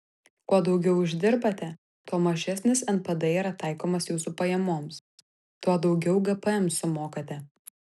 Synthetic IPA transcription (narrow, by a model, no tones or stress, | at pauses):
kuɔd̪ɒʊɡʲɛʊɪʒʲd̪ʲɪɾbɐt̪ʲɛ | t̪uɔmɐʒʲæsʲnʲɪsɛnpɐd̪ɐiːɾɐt̪ɑˑɪkoːmɐsjuːsupɐjɛmoːms | t̪uɔd̪ɒʊɡʲɛʊɡɐpəɛmsʊmoːkɐt̪ʲɛ